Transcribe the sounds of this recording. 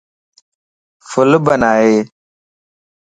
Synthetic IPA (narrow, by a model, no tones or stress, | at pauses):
fulubanaje